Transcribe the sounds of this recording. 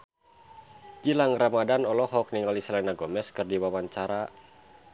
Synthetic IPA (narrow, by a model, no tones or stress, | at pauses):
ɡilaŋramadanɔlɔɦɔk̚niŋalisalɛnaɡɔmɛskɨrdiwawaɲt͡ʃaɾa